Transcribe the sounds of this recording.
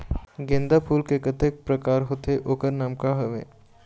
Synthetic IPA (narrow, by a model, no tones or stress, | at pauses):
ɡẽnd̪apʰuːlkekət̪ek̚pɾɐkaːɾɦoːt̪eʔoːkəɾnaːmkaɦəʋḛ̃ː